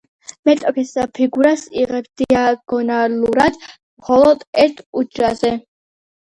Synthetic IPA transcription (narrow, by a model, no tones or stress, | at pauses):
mɛt̪ʼɔpʰisapʰiɡuɾasiʁɛbsd̪̥iaɡ̥ɔnaluɾad̪̥ | mχɔlˠɔd̪ɛɾt̪ʰud͡ʒɾazɛ